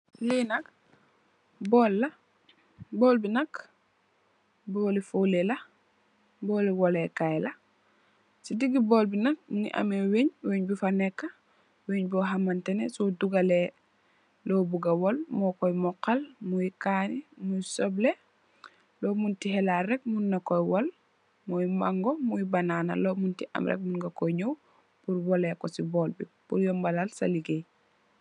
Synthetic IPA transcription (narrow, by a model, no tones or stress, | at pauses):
linɐk | bɔːlːɐ | bɔːlbinɐk | bɔːlifolelɐ | bɔːlwɔlekajla | sidiɡibɔːlbinɐk̚mnḭʔa̰meweɲweɲbifanɛkːa | weɲbɔɦamantɛnḛsɔduɡale | loːbuɡawɔlmɔkɔjmɔkalmujikaːnimujisoble | loːmuntihɛlaɾɛɡ̚munːakɔjwɔl | mojima̰ŋɡomuibanaːna̰lomuntiʔa̰mɾʔɛ̰k̚munɡakoɲow | puɾwɔlekosibɔːlbib̥uɾjɔmbalalsaliɡej